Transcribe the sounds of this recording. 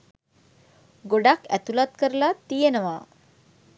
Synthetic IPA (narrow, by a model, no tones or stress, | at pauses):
ɡoɖakæt̪ulat̪kəɾəlat̪ijenəʋaː